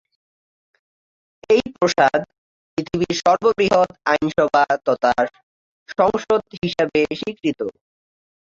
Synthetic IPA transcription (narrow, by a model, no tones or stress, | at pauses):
ejpɾoʃad̪ | pɾit̪ʰibiɾʃɔɾbobɾiɦod̪ajnʃɔbʱat̪ɔt̪aɾ | ʃɔŋʃod̪ɦiʃabeʃikɾit̪o